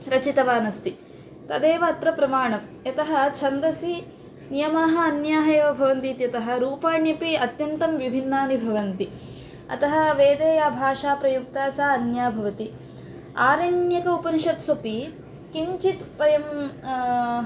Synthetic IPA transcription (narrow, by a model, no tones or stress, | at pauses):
ɾɐt͡ʃit̪ɐʋaːnɐst̪i | t̪ɐd̪eːʋɐɐt̪ɾɐpɾɐmaːɳɐmjɐt̪ɐɦɐt͡ʃʰɐnd̪ɾɐsi | nijɐmaːɦɐ̆ɐnjaːɦeːʋɐbʱɐʋɐnt̪iːt̪jɐt̪ɐɦɐ̆ɾuːpaːɳjɐpiɐt̪jɐnt̪ɐmʋibʱinːaːnibʱɐʋɐnt̪i | ɐ̰t̪ɐɦɐ̆ʋeːd̪eːjaːbʱaːʃaːpɾɐjuk̚t̪aːsaːɐnjaːbʱɐʋɐt̪i | aːɾɐɳjɐkɐupɐniʃɐt̪sopi | kiɲt͡ʃit̪pɐjɐm